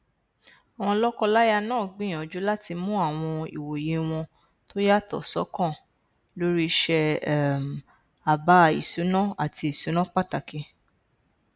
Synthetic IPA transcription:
a˨w̃ɔ̃˧lɔ˦kɔ˧la˦ja˧nãː˦˨ɡ͡bĩ˦˨ɔ̃˨d͡ʒu˨˦la˦ti˧mũ˦a˦˨w̃ɔ̃˧ḭ˨wo˨je˨˦w̃ɔ̃˧ | to˦ja˦˨tɔ̰˨sɔ˨˦kɔ̃˦˨ | lo˦ɾi˦ʃɛ˧˦m˨ | a˨ba˨˦ḭ˨su˨˦nã˦a˨ti˧i˨su˨˦nã˦k͡pa˦˨ta˨ki˨˧

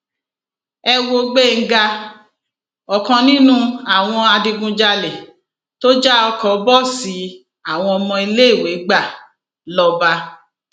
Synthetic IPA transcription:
ɛ˧wo˧ɡ͡be˦˨ŋ̩˦ɡa˧ | ɔ˨kɔ̃˧nĩ˦nũ˦a˦˨w̃ɔ̃˧a˧dĩ˧ɡũ˧d͡ʒa˧lɛ˨ | to˦d͡ʒa˦ɔ˧kɔ˨˦bɔ˦˨si˨˦ | a˦˨w̃ɔ̃˧ɔ˧mɔ̃˧i˧le˦i˦˨we˨˦ɡ͡ba˦˨ | lɔ˦ba˦˧

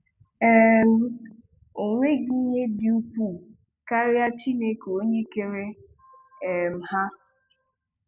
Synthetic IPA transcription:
ɛ˨˦ | o˨ŋʷe˦ɡi˦ɲe˦dɪ˨˦u˦pu˦˨ | ka˦ɾja˦t͡ʃi˦ne˨ko˦ɲe˦ke˨ɾe˦˨ | m̩˨ha˦

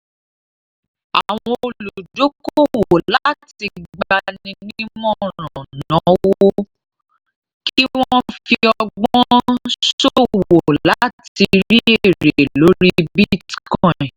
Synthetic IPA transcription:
a˨w̃ɔ̃˧o˧lu˨do˨˦ko˦wo˨la˨˦ti˧ɡ͡ba˧nĩ˧nĩ˦mɔ̃˦˨ɔ̃ɾ̃nã˨˦woo˦ | ki˦w̃ɔ̃˦fi˧ɔ˧ɡ͡bɔ̃˦ʃo˦woo˨la˨˦ti˧ɾi˦ee˦˨ɾe˨lo˨˦ɾi˦bi˦tkɔ̃˦˨ɛ̃˨

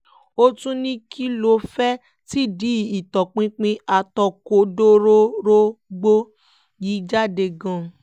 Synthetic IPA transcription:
o˦tũ˦nĩ˦kʰi˦lo˧fɛ˦ | ti˦di˨˦i˨tɔ˨k͡pĩ˦k͡pĩ˧a˧tɔ˧ko˧do˦ɾo˦ɾo˦ɡ͡bo˦ | ji˨˦d͡ʒa˦de˧ɡã˧˨

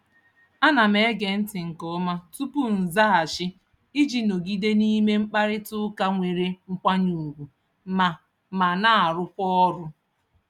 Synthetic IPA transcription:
a˦na˨me˨˦ɡe˨n̩˦tɪ˨ŋ̩˨kɔ˦ma˦tu˦pu˦n̩˨za˦a˨ʃɪ˦ | i˦d͡ʒi˦no˨ɡi˦de˦ni˦me˦ŋ͡m̩˦k͡pa˦ɾɪ˦tʊ˦ka˦ŋʷe˨ɾe˦ŋ̩˦kʷa˦ɲu˨ɡʷu˨ | ma˨ | ma˨na˦˨a˨ɾʊ˦kʷɔ˦ɔ˦ɾʊ˦

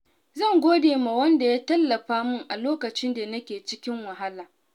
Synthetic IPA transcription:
zɐ˦˨ŋɡʷoː˦deː˨ma˨wɐ˦nda˨jaː˦tɐ˦lːɐ˨ɸaː˦mʊ˦˨ŋʔa˨loː˦kɐ˨t͡ʃɪ˦nda˨nɐ˦kʲeː˨t͡ʃɪ˦kʲɪ˦ŋwɐ˨ɦa˦laː˨

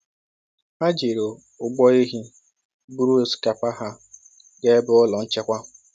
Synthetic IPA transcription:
a˦d͡ʒi˨ɾo˨ | ʊ˨ɡ͡bɔ˦i˦ɦi˦ | bu˦ɾu˦˨ska˨pa˦ɦa˦ | ɡe˦bʊ˦ʊ˦lɔ˨n̩˦t͡ʃe˦kʷa˦

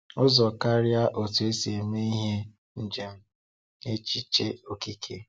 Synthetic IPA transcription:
ʊ˦zɔ˨ka˦ɾja˦ʔo˨tu˨e˦se˨me˦i˦ɦe˦ | n̩˦d͡ʒe˦m̩˦ | e˦t͡ʃi˦t͡ʃe˦o˨ki˦kʰe˨

